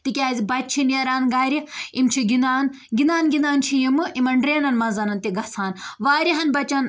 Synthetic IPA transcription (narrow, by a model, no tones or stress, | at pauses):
t̪ikʲaːzʲibɐtʲt͡ʃʰinɐɾaːnɡaːɾiimt͡ʃʰiɡinaːn | ɡinaːnɡʲinaːnt͡ʃʰijimɨʔimɐɳɖɾeːnɐnmɐzɐnɐnt̪iɡɐsʰaːnʋaːɾʲiɦɐnbɐt͡ʃɐn